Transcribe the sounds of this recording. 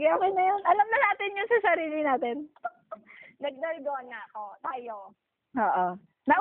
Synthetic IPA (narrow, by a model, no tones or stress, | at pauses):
ɡɐɐkonɐjonʔɐlɐmnɐnaːt̪ɪnjʊŋsɐsɐɾiːlɪnaːt̪ɛn | nɐɡ̚nɐlɡ̪oɐnŋaɐko̞t̪aːjo | oːʔo | nɐʔ